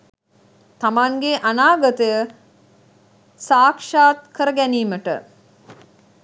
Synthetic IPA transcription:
t̪amaŋɡeʔanaːɡət̪əjə | saːkʂaːt̪kəɾəɡæniːməʈə̰

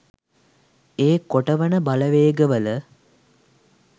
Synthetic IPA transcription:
eːkoʈəʋənəbaləʋeːɡəʋələ

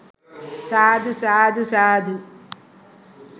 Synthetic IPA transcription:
saːd̪usaːd̪ʱusaːd̪ʱu

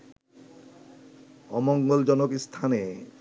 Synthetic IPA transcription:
ɔmoŋɡold͡ʑɔnokst̪ʰane

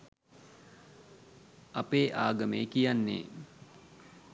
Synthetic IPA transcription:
ɐpeːʔaːɡəmeːkijanːḛː

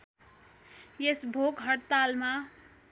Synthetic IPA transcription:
jesbʱokɦʌɽt̪alma

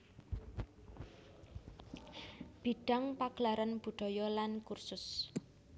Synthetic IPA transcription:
b̥i̤ɖ̥a̤ŋpaɡ̥laɾanb̥ṳɖ̥ɔ̤jɔlankursʊs

